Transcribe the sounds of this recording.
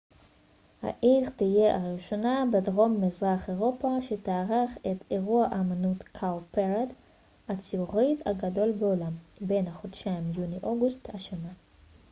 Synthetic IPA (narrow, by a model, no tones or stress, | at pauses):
ha̰ʔiʁt̪ije̞ʔaʁiʃo̞nabedʁo̞mːizʁaχe̞ʁo̞paʃetaːʁaχeteʁuaʔamanutkʰawpeʁad | at͡siuʁita̰ɡado̞lbeolambe̞nhaχodʃaimjuniʔo̞ɡusthaʃana